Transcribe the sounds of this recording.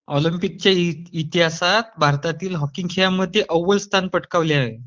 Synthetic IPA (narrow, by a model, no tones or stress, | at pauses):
ɔlimpik̚t͡ɕjait̪iɦasat̪bʱaɾt̪at̪iːlɦɔkiŋɡkʰejaməd̪ʱːjeʔəʋəlst̪ʰanpəʈkaʋljaːɦe